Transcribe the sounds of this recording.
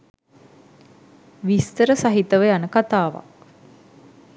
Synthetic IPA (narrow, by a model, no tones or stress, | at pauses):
ʋist̪əɾəsaɦit̪əʋəjanəkat̪aːʋa̰k̚